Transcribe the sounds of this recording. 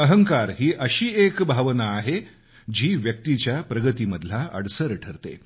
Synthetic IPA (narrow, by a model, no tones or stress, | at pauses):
əɦəŋkaɾɦiːʔəɕiːekbʱaʋnaːɦe | d͡ʑiːʋjək̚t̪it͡ɕjapɾəɡət̪iːməd̪ʱlaə̰ɽsəɾʈʰəɾt̪ḛ